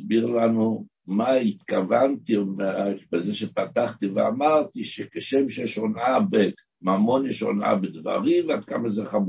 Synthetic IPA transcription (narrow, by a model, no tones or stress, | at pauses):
sbiʁlanu | mait̪kavant̪imebezeʃepat̪aχt̪ivea̰maʁt̪iʃekeʃemʃeʃonabe | mamo̞njɛʃo̰na̰bed̪va̰ʁimvad̪̚kamazeχamu